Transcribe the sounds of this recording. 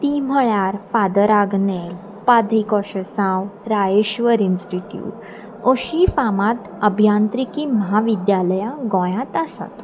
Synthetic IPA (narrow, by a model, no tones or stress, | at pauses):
t̪iːm̤əɭjaɾfad̪əɾaɡnel | pad̪ʱɾikɔɕəsãwɾajeɕʋəɾinsʈiʈjṵːʈ | oɕifamãt̪ | əbʱjãnt̪ɾikiːməɦaʋid̪jaləjãɡɔ̃jãt̪asa̰t̪